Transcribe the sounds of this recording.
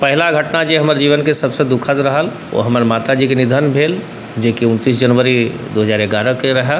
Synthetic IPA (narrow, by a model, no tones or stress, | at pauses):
pɛɦɪlaɡʱɐʈnad͡ʒeɦɐməɾd͡ʒiːʋənkesɐbsed̪ʊkʰət̪ɾɐɦəl | o̰ɦɐməɾmaːt̪ad͡ʒikenɪd̪ʱənbʱeːl | d͡ʒeːkiʊnt̪iːs̬d͡ʒɐnʋəɾid̪oːɦəzaːɾeɡaːɾəkeɾɐɦa